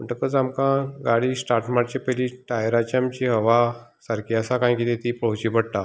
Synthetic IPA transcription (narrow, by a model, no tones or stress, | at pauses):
m̤əɳʈ̪əkəd͡zamkãɡaɽiːsʈaɾʈmaʈt͡ɕepəliʈajɾat͡ɕamt͡ɕiɦəʋa | saɾkʰiəsakãj̃kit̪ẽt̪ipəɦut͡ɕipəɽt̪a